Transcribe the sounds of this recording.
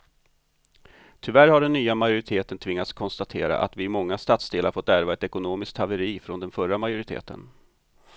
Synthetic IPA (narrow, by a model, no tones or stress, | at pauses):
t̪ʰʏvæɾhaɖɛnːyːamajʊɾɪt̪ʰeːt̪ənt̪ʰvɪŋːat̪skʰɔnst̪at̪ʰḛːɾa̰ʔa̰t̪vɪːmɔŋːast̪at̪sd̪eːlaɾfɔt̪ːæɾvaɛt̪ɛkʊnoːmɪsk̚t̪ʰːavəɾiːfɾɔnd̪ɛnfœɾamajʊɾɪt̪ʰḛːt̪ʰə̰n